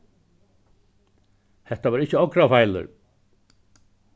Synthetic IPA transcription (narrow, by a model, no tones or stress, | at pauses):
hɛht̪aʋaːɾɪt͡ɕəɔkɾafajlʏ̰ɾ